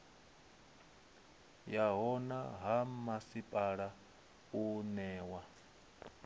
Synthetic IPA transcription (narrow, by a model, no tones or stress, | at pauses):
jaɦɔna̰ɦamasipʼaɺa | unɛːwa